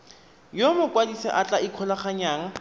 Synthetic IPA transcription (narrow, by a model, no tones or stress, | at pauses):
jomʊkwadisɛ̰ʔat͡ɬʼaɪkʰɔlaχaɲaːŋa